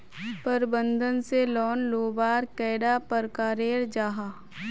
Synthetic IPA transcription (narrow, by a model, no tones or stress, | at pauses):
pəɾbə̃nd̪ʱənselɔːnloːbaːɾkɛːɽapəɾkaːɾeːɾd͡ʒaːɦa